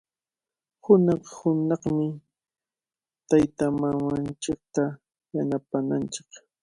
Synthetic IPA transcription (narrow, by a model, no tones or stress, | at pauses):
hʊnɑχhʊnɑχmɪ | t̪ajt̪amamant͡ʃɪk̚t̪a | janapanant͡ʃɪ̥k